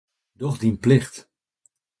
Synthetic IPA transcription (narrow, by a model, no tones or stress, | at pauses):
dɔχdinplɪχt